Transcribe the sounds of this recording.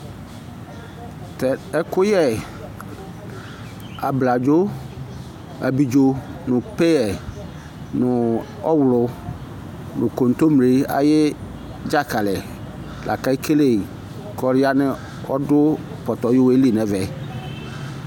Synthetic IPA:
tɛ˨ɛ˦kʊ˦jɛ˦ | a˨bla˨d͡ʒo˦ | a̰˨bi˨d͡ʒo˦nʊ̃˨pɛ˦ɛ˨ | nʊ˨ | ɔ̰˦wʊ˨lʊ˨ | nʊ̃˨ko˨n̩˨t̪o˦m˨e˨˦a̰˨jɪ˦ | d͡ʒa˦ka˨lɛ˨ | lʔa̰˨ka˦i˦kʰe˦le˦˨ | kɔ˨ɾɪ˦a˦nɪ˦ | ɔ˦dʊ˦ | pɔ˨t̪ɔ˨jo˦we˦li˦˨nɛ̃˨vɛ˨

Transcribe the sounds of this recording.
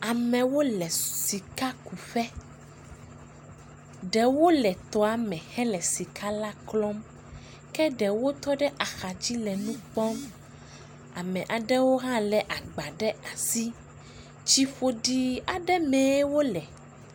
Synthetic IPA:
a˨mɛ̃˨wo˦lɛ˨si˨ka˦ku˨ɸɛ˦ | ɖɛ˨wo˦lɛ˨t̪ɔ˦a˨mɛ̃˨xɛ˦lɛ˨si˨kʰa˦la˦klɔ˦m | kɛ˦ɖɛ˨wo˦t̪ɔ˦ɖɛ˦ʔa˨xa˨d͡ʑi˦lɛ˨nũ˦k͡pɔ˦m | a̰˨mɛ̃˨ʔa˨ɖɛ˦wo˦ɦã˦lɛ˨ʔa˨ɡ͡ba˨ɖɛ˦a˨si˦ | t͡ʃi˦ɸo˦ɖi˦a˨ɖɛ˦mɛ̃˨˦wo˦lɛ˨

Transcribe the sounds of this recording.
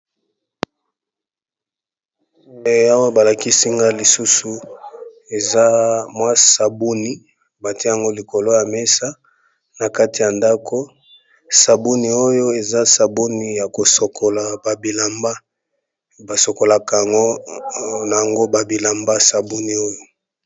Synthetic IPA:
e˨a˦wa˦ba˨la˨ki˦si˦ŋɡa˦li˨su˦su˨ | e˨za˦mwa˦sa˨bu˦ni˦ | ba˨ti˦a˨ŋɡo˦li˨ko˨lo˦ja˨me˦sa˦ | na˨ka˦ti˨ja˨nda˦ko˦ | sa˨bu˦ni˨o˦jo˦e˨za˦sa˨bu˦ni˨ja˨ko˨so˨kʰo˨la˨ba˨bi˨la˨mba˦ | ba˨so˨ko˨la˨ka˨a˨ŋɡo˦ | na˨ja˨ŋɡo˦ba˨bi˨la˨mba˦sa˨bu˦ni˨o˦jo˦

